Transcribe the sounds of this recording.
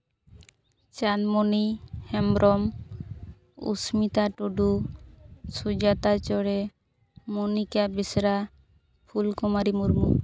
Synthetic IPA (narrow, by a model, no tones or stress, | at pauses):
t͡ʃanmɔnihɛmɾʔɔm | ṵsmit̪aʈuɖu | sud͡ʒat̪at͡ʃɔɽɛ | munikabisɾa | pʰulkɔmaɾimuɾmu